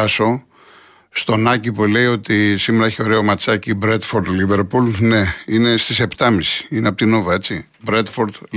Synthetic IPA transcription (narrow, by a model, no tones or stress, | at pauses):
ɐso̞ | st̪o̞nɐcipule̞io̞t̪isimeɾɐeçeo̞ɾe̞omɐt͡sɐcibɾe̞t̪foɾt̪live̞ɾpulne̞ine̞st̪ise̞pt̪ɐmisi̥ineɐpo̞t̪ino̞vɐe̞t͡si | bɾe̞t̪foɾt̪